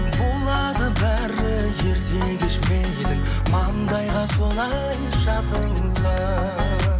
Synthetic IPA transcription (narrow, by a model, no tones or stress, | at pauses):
bo̞lˠɑd̪əbæɾɪ | ʒe̞ɾd̪e̞ɡ̪eʃmenɡed̪ɪk̚ | mɑnd̪ɑjʁɑso̞lˠɑ | jʒɑzəlˠulɑ